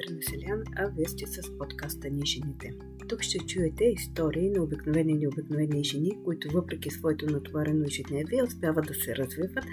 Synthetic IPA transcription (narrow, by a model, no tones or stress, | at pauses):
ɾnɐsɛlʲanɐvɛst̪ɛsəspɔt̪kast̪əniʒɛnit̪ɛ | t̪ukʃt̪ɛt͡ʃuɛt̪ɛist̪ɔɾiːnɐobiknovɛnilʲiobiknovɛniʒɛnikoit̪ʊvɤpɾɛkisvɔɛt̪onɐt̪vaɾɛnoiʒid̪nɛviɛospʲjavəd̪ɐsɛɾʔɐzvivət̪